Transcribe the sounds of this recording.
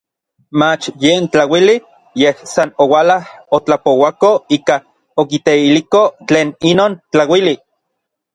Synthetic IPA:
mat͡ʃjeːnt͡ɬawili | jehsanowalahot͡ɬapowakoiːka | okit̪eilikot͡ɬeːninoːnt͡ɬawili

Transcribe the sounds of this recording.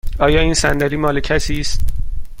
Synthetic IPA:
ɒːjɒːiːnsænd̪æɾiːmɒːlecʰæsiːst̪̚

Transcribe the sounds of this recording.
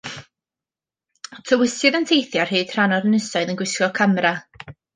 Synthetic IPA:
tʰəwɪsɨðəntʰejθjarhɨːd̥r̥anɔdənəsaɨðənɡwɪskɔkʰamɾa

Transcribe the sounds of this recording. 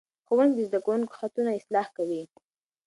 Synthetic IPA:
xowəŋd̪ezd̪akawuŋko̥xat̪unaɪslɑhkawi

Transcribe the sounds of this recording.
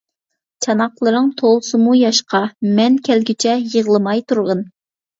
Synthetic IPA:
t͡ʃʰɑnɑqlˠɨɾɨŋt̪ʰolˠsɨmujɑʃqɑmɛnkʲʰɛlɡʲit͡ʃʰɛjəʁlˠɨmɑjt̪ʰuɾʁən

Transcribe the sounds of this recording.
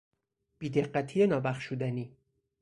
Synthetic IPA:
b̥iːd̪eɢːæt̪ʰiːjenɒːbæχʃud̪æniː

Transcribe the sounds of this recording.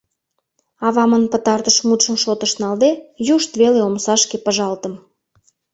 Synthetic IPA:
ɑβɑmənpət̪ɑrt̪əʃmut̪ʃəmʃot̪ə̆ʃnɑld̪ejuʃt̪βeleomsɑʃkepəʒɑlt̪ə̆m

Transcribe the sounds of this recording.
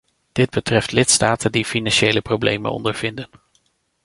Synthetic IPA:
d̥ɪd̚bətrɛftlɪtstaːtəndifinɑnʃejləprowblḛjmə̰nɔ̰ndəɹv̥ɪndən

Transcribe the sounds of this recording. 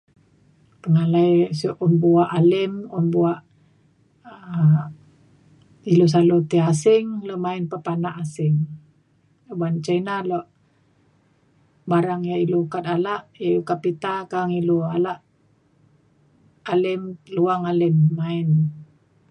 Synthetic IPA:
p̪əŋalaisuʔunbuaʔalɪmunbuaʔ | ilus̬alut̪iasɪŋlomaɪnpəpanaʔasɪŋ | bant͡ʃainaloʔ | baɾaŋjailukat̪alaʔikapit̪akaŋilualaʔ | lɪmluaŋalɪmːaɪn

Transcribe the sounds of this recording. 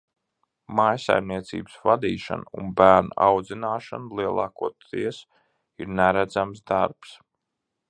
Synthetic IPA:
majsa̰jmniɛt̪sḭːbɨsvad̪iːʃa̰nṵnbæːɾna̰awd̪zinaːʃanlˠiɛlˠɑːkuɔt̪iɛs | iɾnæɾæd̪zamsd̪aɾps

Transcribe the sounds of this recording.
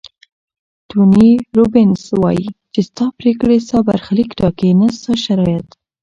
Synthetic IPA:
t̪uniɾobɪnswɑ̰jit͡ʃest̪ɑpɾekɽesɑba̰ɾxalikɖɑkenast̪ɑʃaɾɑjat̪

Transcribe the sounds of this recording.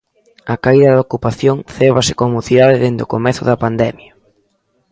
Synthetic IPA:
ɐkaiðɐðokupaθjoŋθeβɐsɪkomuθiðaðɪðend̪okomɛθʊðɐpand̪ɛmjɐ

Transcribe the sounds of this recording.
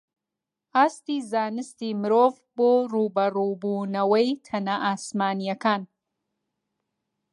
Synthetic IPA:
aːst̪iːzaːnɨst̪imɨɾoːv | boːruːbɐrubuːnɐwɐjt̪ʰɐnaʔaːsmaːnijɐkaːn

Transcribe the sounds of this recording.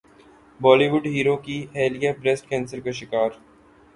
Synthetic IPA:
bɔːliʋʊɖɦiːɾokiɦɛːlijapɾesʈ̚kɛ̃ːnsəɾkaʃɪkaːɾ

